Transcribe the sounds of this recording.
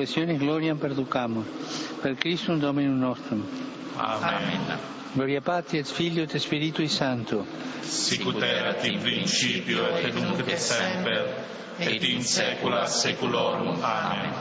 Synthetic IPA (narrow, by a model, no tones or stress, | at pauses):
esjonezɡlɔɾjampeɾd̪ukamuspeɾkɾist̪und̪ominunɔst̪ɾum | aen | ɡlɔɾjapat̪ɾiet̪fiʎjot̪espiɾit̪uisant̪u | sikut̪ɛɾat̪ipɾint͡ʃipjoet̪enuŋkd̪esɛɛmpeɾ | et̪insɛkulasekuloɾuan